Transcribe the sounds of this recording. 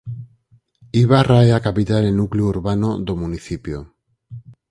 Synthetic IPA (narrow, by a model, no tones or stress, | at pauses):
iβaraeakapit̪alenuklouɾβanod̪omuniθipjo